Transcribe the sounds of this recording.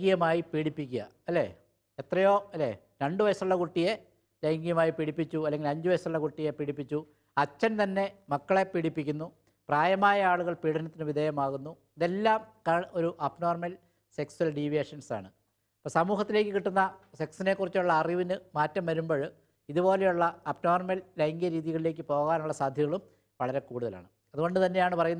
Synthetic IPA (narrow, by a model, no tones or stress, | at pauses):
ɡijɐmaːjipiːɽipːikʲːuɣɐ̰ | ɐlːḛ | et̪rɐjo̞ːɐlːḛ | ɾeɳɖɨʋɐjɐsɐɭːɐkuʈːije̞ | lɐjŋɡijɐmaːjipiɽipːit͡ɕːuɐlːe̞ŋɡilɐɲd͡ʑuʋɐjɐsuɭːɐkuʈːije̞piɽipːit͡ɕːu | ɐt͡ɕːɐnt̪ɐnːe̞mɐkːɐɭe̞piɽipːikʲːunːu | praːjɐmaːjɐaːɭuɣɐɭpiːɽɐnɐt̪ːinɨʋid̪ʱeːjɐmaːɣunːu | iðe̞lːaːmkɐɭo̞ɾuʔɐpno̞ːrmɐl | se̞ksuɐlɖiʋjeːʂɐnsa̰ːɳɨ | posɐmuːhɐt̪ːile̞ːkʲːɨkiʈːunːɐse̞ksine̞kːurit͡ɕːuɭːɐːriʋinɨmaːtːɐmʋɐɾumbo̞ːɭ | iðubo̞ːlejuɭːɐɐpno̞ːrmɐllɐjŋɡjɐɾiːðiɣɐɭile̞ːk̬ʲːɨpo̞ːɣaːnuɭːɐsaːd̪ʱjɐɣɐɭum | ʋɐɭɐɾe̞kuːɽuðɐla̰ːɳɨ | ɐðuɣo̞ɳɖɨt̪ɐnːe̞jaːɳɨpɐrɐjunː